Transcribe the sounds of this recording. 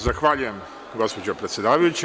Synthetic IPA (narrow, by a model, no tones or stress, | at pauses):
zaxʋaːʎuje̞m | ɡo̞spod͡ʑopɾet̪sʲje̞d̪aːʋajut͡ɕe